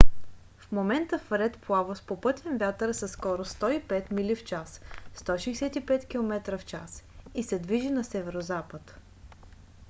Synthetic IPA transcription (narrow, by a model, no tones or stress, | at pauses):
fmomɛnt̪əfɾɛt̪plˠavospopɤt̪ʰʲɛnvʲjat̪əɾsɐskɔɾost̪ɔipɛt̪milift͡ʃasst̪ɔʃɛjsɛt̪ipɛt̪kʲilˠomɛt̪ɾəft͡ʃa̰sisɛd̪viʒinɐsɛvɛɾozapət̪